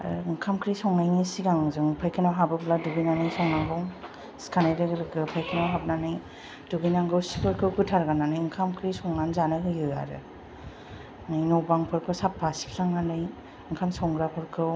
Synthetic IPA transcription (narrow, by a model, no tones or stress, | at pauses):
ɯŋkʰamkʰɾisɔŋnajnisiɡaŋzɯŋpʰajkʰɯnawɦabɯbladuɡɯjnanɯjsɔŋnaŋɡɔŋ | skʰanajdɯɡɯlɯɡɯpʰajkʰɯnawɦab̚nanɯj | d̥uɡɯjnaŋɡɯwsi̥kʰɯɾkʰɯwkʰɯtʰaɾɡananɯjɯŋkʰamkʰɾisɔŋnanzanɯɦɯjɦɯja̰ɾɯ̰ | nɯjnɔwbaŋpʰɯɾkʰɯwsap̚basi̥pʰlaŋɡanɯj | ɯŋkʰamsɔŋɡɾapʰɯɾkʰɯw